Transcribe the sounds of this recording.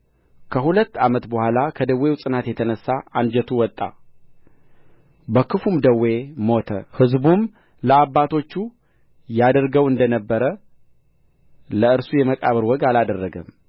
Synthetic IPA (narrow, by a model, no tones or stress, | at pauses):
kʰəhulət̪ːamət̪bəhʷalakʰəd̪əwːe̞wsʼɨnat̪jɛt̪ʰənəsːaand͡ʒɛt̪ʰuwɔt̪ʼːa̰ | bəkʰɨfumd̪əwe̞mo̞t̪ʰəhɨzbum | ləabːat̪ʰo̞t͡ʃːu | jad̪əɾɡəwɨnd̪ənəbːəɾə | ləɨɾsujɛməkʼaβəɾwɔɡalad̪ərːəɡəm